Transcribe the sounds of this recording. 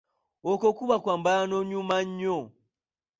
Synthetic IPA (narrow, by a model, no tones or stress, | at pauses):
ɔkɔkuβakwambaanɔɲumaɲːɔ